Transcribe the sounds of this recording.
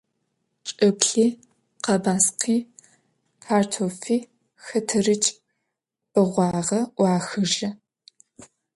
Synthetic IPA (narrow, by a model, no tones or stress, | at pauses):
t͡ʃʼɐpɬiː | qɐbaːsqʰiː | pʰaːrtʰoːfiː | xɐtʰɐrɨt͡ʃʼ | pʼəʁʷɑːʁɐʔʷɑːxɨʒɐ